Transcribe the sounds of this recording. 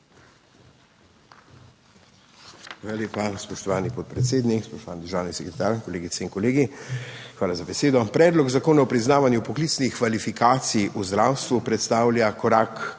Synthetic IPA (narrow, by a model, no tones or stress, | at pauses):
xʋaːlaljeːpaspɔʃt̪ɔʋaːnipɔt̪̚pɾɛt̪seːd̪nikspɔʃt̪ɔʋaːnid̪əɾʒaːwnisɛkɾɛt̪aːɾkɔleːɡit̪sɛiŋkɔleːɡixʋaːlazabɛseːd̪ɔpɾɛːd̪lɔɡzakoːnaɔpɾiznaːʋanjupɔkliːt̪snixkʋalifikaːt̪sijʔuzd̪ɾaːwst̪ʋupɾɛt̪st̪aːwljakɔɾak